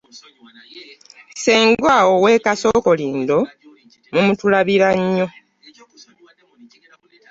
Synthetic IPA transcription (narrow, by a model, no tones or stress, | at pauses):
seːŋɡwaːowe̞ːkaso̞ːko̞liːndo̞ | mumutulaβiɾaɲːo̞